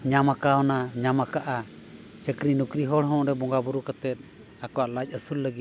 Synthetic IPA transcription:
ɲamakawnaɲamakaʔa | t͡ʃəkɾinukɾiɦɔɽɦɔ̃ʔɾɛbɔŋɡabuɾukət̪ɛt̪̚ | akɔwaʔlac̚ˀəsulːəɡi

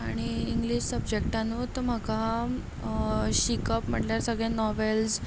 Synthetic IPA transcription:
aɽ̃iːŋɡliɕsəbd͡ʑek̚ʈanuːt̪əm̤aka | ɕikəpm̤əʈljaɾsəɡɭenɔʋels

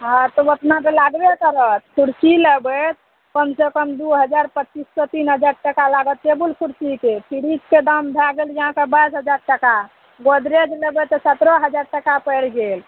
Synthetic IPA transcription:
ɦãt̪ɔət̪nakelaɡbekəɾət̪̚kʰuɽsiləbət̪̚ | kəmsekəmd̪uɦəd͡ʒaɾpət͡ʃisːɔt̪inɦəd͡ʒaɾʈəkalaɡət̪ːebulkʰuɾsikepʰiɽid͡ʒked̪əmbʱaɡəljəɦãkebəjsɦəd͡ʒaɾʈəka | ɡod̪ɾed͡ʒləbɛt̪ɔsət̪ɾɔɦəd͡ʒaɾʈəkapəjɽɡel

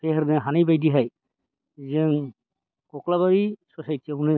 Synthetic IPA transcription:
pʰeɦɾnɯɦanajbajdiɦaj | zeŋ | kɔklaβaɾisɔsajteunɯ

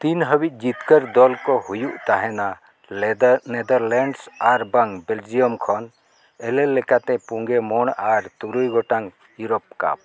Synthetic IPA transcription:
t̪inɦəbic̪̚ˀd͡ʒit̪kəɾd̪ɔlkɔhujuʔt̪aɦɛna | nɛd̪əɾlɛɳɖsaɾbaŋbɛld͡ʒijɔmkʰɔn | ɛlɛlːɛkat̪ɛpuŋɡɛmɔɳaɾt̪uɾujɡɔʈaŋ | juɾɔp̚ka̰p̚

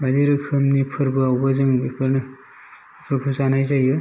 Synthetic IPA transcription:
badiɾɯkʰɯmnipʰɯɾbɯawbazɯŋbipʰɯɾnɯ | pʰɾpʰuzanajzajɯ

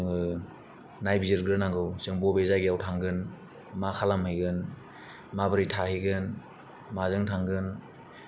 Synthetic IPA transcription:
ɯŋɯ | najbizɯɾɡɾɯnaŋɡɯwsɯŋbɔbezaɡiawtʰaŋɡɯn | makʰalamhɯjɡɯn | mabɯɾitʰahijɡɯn | mazɯŋtʰaŋɡɯn

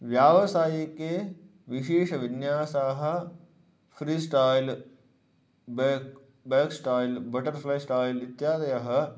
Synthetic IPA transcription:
ʋjaːʋɐsaːjike | ʋiʃeːʃɐʋinjaːsaːɦɐ̆ | fɾiːsʈaːjl | bek | beːksʈaːjlbɐʈɐɾflɐjsʈaːjlit̪jaːd̪ɐjɐɦɐ̆

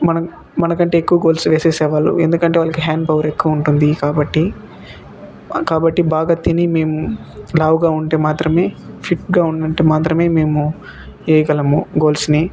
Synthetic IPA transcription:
mɐnɐ | mɐnɐkɐɳʈe̞ːkːuʋɐɡo̞ːlsʋeːseːsɛːʋaːlṵend̪ukɐɳʈeːʋaːɭlɐkiɦaːɳɖpɐʋɐɾe̞kːuʋɐuɳʈund̪ikaːbɐʈːi | kaːbɐʈːibaːɡɐt̪ːinime̞ːmu | laːʋɡaːuɳʈeːmaːt̪ɾɐmeːpʰiʈɡaːuɳɖɐɳʈeːmaːt̪ɾɐme̞ːme̞ːmu | eːjɐɡɐlɐmuɡo̞ːlsni

